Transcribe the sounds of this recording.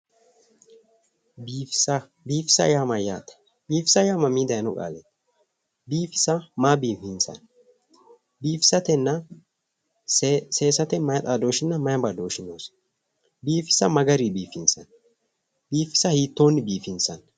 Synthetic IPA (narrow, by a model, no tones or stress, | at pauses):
b | biːfɪ̥sɐ̰jaːmɐjaːt̪ɐ̥ | biːfɪ̥sɐjaːmɐmiːd̪ɐjɐnɔkʼa̰ːlɛt̪ː | biːfɪ̥sɐmaːbiːfɪnsɐ̰n | biːfɪ̥sɐt̪ɛnːɐ | se̞ːsɐt̪ɛmɐjɐt̪ʼaːd̪o̞ːʃɪnːɐmɐjɐbad̪oːʃɪnoːs | biːfɪ̥sɐmɐɡɐɾibiːfɪnsɐ̰n | biːfɪ̥sɐhiːt̪ːo̞ːnːɪbiːfɪnsɐn